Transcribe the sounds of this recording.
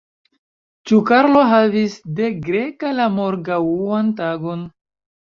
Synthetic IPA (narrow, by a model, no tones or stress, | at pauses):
t͡ʃukaɾlo̞ɦavisde̞ɡɾe̞kalamo̞ɾɡawuantaɡo̞n